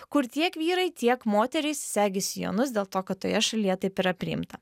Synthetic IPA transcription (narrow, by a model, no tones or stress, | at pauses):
kʊɾt̪ʲiɛkʋʲiːɾɐɪt̪ʲiɛkmoːt̪ʲɛɾʲɪssʲæːɡʲɪsʲɪjo̰ːnʊsd̪ʲeːlˠt̪oːkɐt̪̚t̪ːoːjɛʃɐlʲiːjɛt̪ɐɪpiːɾɐpʲɾʲɪ̰ɪmt̪ɐ